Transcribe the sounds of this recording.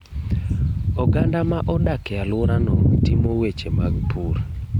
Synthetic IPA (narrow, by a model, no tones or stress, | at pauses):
ɔɡandamaʔɔdakɛalʊɾanɔtimowet͡ʃemaɡpʰuɾ